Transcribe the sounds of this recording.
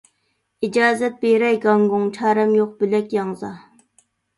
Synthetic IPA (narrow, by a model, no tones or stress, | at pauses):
id͡ʒɑːzɛt̪̚beɾɛjɡɑŋɡoŋt͡ʃʰæːɾɛmjoq̚bylɛkʲjɑŋzɑ